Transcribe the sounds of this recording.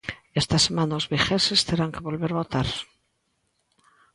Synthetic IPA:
est̪asemãnaozβixesest̪eɾaŋkeβo̞lβeɾβo̞t̪aɾ

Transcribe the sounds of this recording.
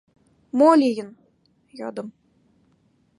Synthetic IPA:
molʲijɘ̆n | jɑ̰d̪ɤ̆m

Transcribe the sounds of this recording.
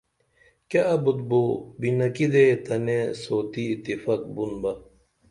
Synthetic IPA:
kaʔɐbud̪bobinɐkid̪et̪ɐnesoːt̪iːt̪ːifɐk̚bunbɐ

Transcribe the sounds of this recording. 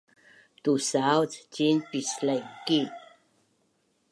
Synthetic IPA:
t̪usawt͡scinpislajki

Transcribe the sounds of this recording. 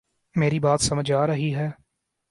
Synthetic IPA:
meːɾibaːt̪səməd͡ʒaːɾəɦiɦɛː

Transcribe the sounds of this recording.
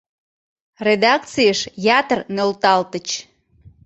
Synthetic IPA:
red̪ɑk̚t͡sijəʃjɑt̪ərnølt̪ɑlt̪ət͡ɕ

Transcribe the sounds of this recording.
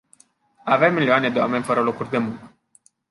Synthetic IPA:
avemːilioaned̪ewamenʲfəɾəlokurʲd̪e̞muŋkə

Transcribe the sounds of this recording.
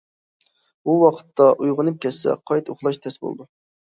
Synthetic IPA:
buwɑqʰə̥t̪ʰːɑʔujʁənɨp̚kʲʰɛsɛ̰qʰɑjt̪oχlˠɑʃt̪ʰɛsbo̰l̰ˠd̪u

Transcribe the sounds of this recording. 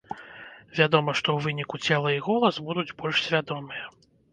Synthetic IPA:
vʲad̪ɔmɐʂt̪ɔwvɨnʲikut͡sʲɛlˠɐiɣɔlˠɐsbud̪ud͡zʲbɔlʲʂsʲvʲad̪ɔmɨjɐ

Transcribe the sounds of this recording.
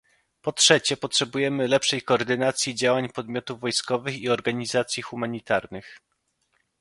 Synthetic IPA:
pɔtʂɛt͡ɕɛpɔtʂɛbujɛmɘlɛpʂɛjkɔːɾd̪ɘnat̪sʲjid͡ʑawaɲpɔd̪mʲjɔt̪uvvːɔjskɔvɘxiɔɾɡaɲizat̪sʲjixumaɲit̪aɾnɘx

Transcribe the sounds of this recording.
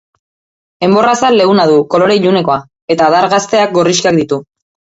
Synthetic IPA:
e̞mbo̞rasalːe̞ɣunaðuko̞lo̞ɾe̞ʎune̞ko̞a | e̞t̪aðaɾɣast̪e̞ak̚ɡo̞riʃkak̚d̪it̪u

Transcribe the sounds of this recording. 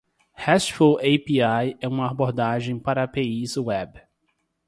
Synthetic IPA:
hɛsfoejpiajɛũmɐaboɾd̪aʒẽj̃paɾɐapeizwɛb

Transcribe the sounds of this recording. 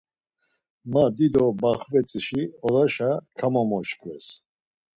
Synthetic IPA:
mad̪id̪ɔbaχvɛt͡sʼiʃiɔɾaʃakʰamɔmɔʃkʰʼvɛs

